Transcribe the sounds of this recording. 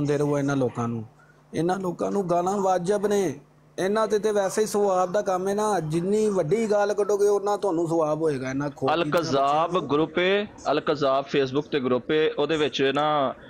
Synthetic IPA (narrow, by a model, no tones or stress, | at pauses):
nd̪eːɾəuːaːɪnãːloːkãːnũː | ɪnãːloːkãːnũːɡaːlãːʋaːd͡ʒəbneː | ɪnãːt̪et̪eːʋɛːseːiːsəʋaːb̚d̪aːkəmeːnaːd͡ʒɪnːiːʋəɖiːɡaːlkəɖoːkeʊnːãːt̪ʊaːnũːs̬əʋaːbɦoːeːɡaːɪnãːkʰoːəlkzaːbɡɾʊpeːəlkəzaːbpʰeːsbʊkt̪eːɡɾʊpːeːoːd̪eːʋɪt͡ʃɪnãː